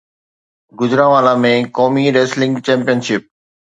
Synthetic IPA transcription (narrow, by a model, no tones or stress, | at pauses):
ɡʊzɾãːʋaːlãmẽkoːmiɾeːslɪ̃ŋɡt͡ɕɛ̃ːmpijənʃɪp̚